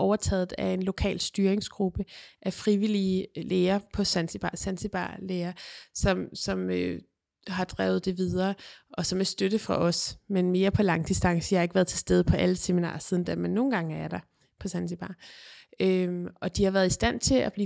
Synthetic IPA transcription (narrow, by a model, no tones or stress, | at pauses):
ʔɒʊɐt͡sʰɛ̰ːð̩ˠæe̝nlo̝kʰɛ̰ːlsd̥yːɐeŋsɡ̥ʁub̥əʔæfʁiʋilileːɐpʰɒ̽sænsib̥ɑ̈ːsænsib̥ɑ̰̈ːleːɐsɒ̽msɒ̽mø | ɦɑ̈d̥ʁɛːʊð̞̩ˠd̥e̝ʋið̞ˠɐːʔɒ̽sɒ̽mæsd̥øɾ̥əfʁɑ̈ʔɒ̽smenme̝ːɐpʰɒ̽lɑ̈ŋd̥isd̥ɑ̈ŋsəjɑhɑ̈e̝ɡ̥ʋæːɐð̞ˠt͡sʰe̝sd̥eð̞ˠpʰɒ̽ʔæləseminɑ̰̈ːsið̞ˠn̩d̥æɐmenːo̝ːn̩ɡ̥ɑ̈ŋəæɐɾ̥ɑ̈ | pʰɒ̽sænsib̥ɑ̈ː | øɒ̽d̥ihɑ̈ʋæɐð̞̩ˠisd̥æn̰t͡sʰe̝lʔæb̥liː